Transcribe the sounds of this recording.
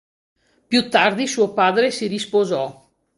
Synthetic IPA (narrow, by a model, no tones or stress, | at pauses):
pjut̪ːard̪isuːopaːd̪ɾesiɾispozɔ